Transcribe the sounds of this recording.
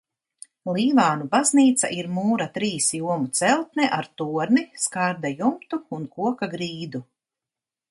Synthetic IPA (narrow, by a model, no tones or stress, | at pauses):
lˠiːvaːnubazniːt̪sa̰ʔiɾmuːɾat̪ɾiːsjuɔmut̪sɛlˠt̪̚nɛʔaɾt̪uɔɾniskaɾd̪ajumt̪uːnkuɔkaɡɾiːd̪u